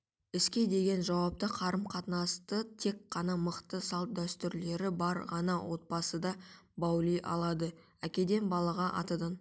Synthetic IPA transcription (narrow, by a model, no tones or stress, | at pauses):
ɪskʲe̞d̪e̞ɡʲe̞nʒɑwɑp̚t̪əqʰɑɾəmqʰɑt̪nɑst̪ət̪ʰe̞kːɑnɑməqt̪əsɑlˠt̪̚d̪æst̪ʏɾle̞ɾɪbɑɾʁɑnɑwo̞t̪̚bɑsəd̪ɑ | bɑwlˠijʔɑ̰lˠɑd̪ə | ækʲe̞d̪e̞nbɑlˠɑʁɑʔɑ̰t̪əd̪ən